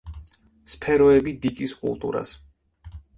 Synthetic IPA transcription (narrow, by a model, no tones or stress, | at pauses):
spʰɛɾɔɛbid̪ikʼiskʼṵlˠt̪ʼṵɾa̰s